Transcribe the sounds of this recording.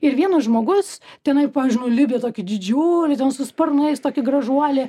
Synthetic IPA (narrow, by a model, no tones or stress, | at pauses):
ɪɾʋʲiɛnɐsʒmoːɡʊst̪ʲɛnɐɪpɑːʋʲɪzʒʲd͡ʒʲɪnʊlʲɪbʲet̪oːkʲɪd̪ʲɪd͡ʒʲuːlʲɪtʲɛnsʊspɐrnɐɪst̪oːkʲɪɡrɐʒuɔlʲɪ